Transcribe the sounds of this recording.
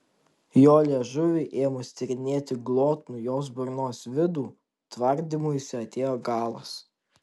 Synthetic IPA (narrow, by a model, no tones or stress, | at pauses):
joːlʲiɛʒʊʋʲɪʔeːjomʊsʲt̪ʲɪɾʲɪnʲeːt̪ʲɪɡlˠoːt̪nujoːsbʊɾnoːsʋʲɪd̪uː | t̪ʋɐɾʲd̪ʲimʊjʊsʲɪɐt̪ʲeːjoːɡɑːlˠɐ̰s